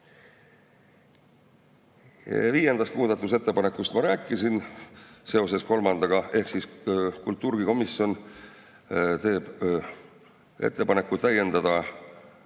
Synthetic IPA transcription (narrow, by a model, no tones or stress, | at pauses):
viːje̞nd̪̥ɑst̪muːd̪̥ɑt̪ːˑus̬e̞t̪ːepɑne̞kːˑust̪mɑɾæːkˑːisinse̞o̞se̞sko̞lmɑnd̪̥ɑɡ̥ɑe̞hksiskult̪ˑːuːɾɡ̥iko̞misio̞n | t̪e̞ːb̥ | e̞̰t̪ˑːe̞pɑne̞kːˑuæjːe̞nd̪̥ɑd̪̥ɑ